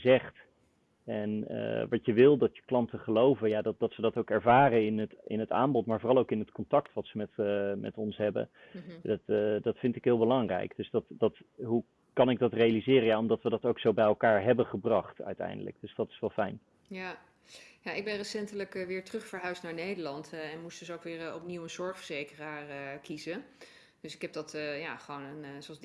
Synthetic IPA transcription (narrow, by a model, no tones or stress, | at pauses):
zɛχt | ɛnə̰ʋɑtəʋɪlˠdɑtjəklɑntəχəlowvəjaːdɑd̥ɑtsədɑtowkɛɹvaːrəɪnətɪ̰nəta̰ːmbɔtmaːɹvoːrɑlˠowkɪnətkɔntɑktʋɑtsəmɛtmʔɛ̰tɔnsɦɛbə̰ | dtdɑtfɪntɪkɦɪːlˠbəlɑŋrɛ̰jkd̥ɵsdɑtdɑtɦu | kɑnɪɡ̚dɑtrejalizɪːrəjaɔmdɑtʋədɑtowksowbɛjɛlˠkaːɹɦɛbənχəbrɑχtœ̰ɥtɛ̰jndələ̰ɡ̚d̥ɵsdɑtɪ̥sʋɛlˠfɛjn | ja | jaʔɪɡ̚bɛnrəsɛntələkəʋɪːɹtrɵχfəɹɦœɥstnaːɹnejdəɹlɑntɛnmustd̥ɵsowkʋɪːɹɔpniwənzɔɹχfəɹzejkəraːɹəkizə | d̥ɵsɪ̥kɦɛb̚dɑtjaχəʋonənsoɑ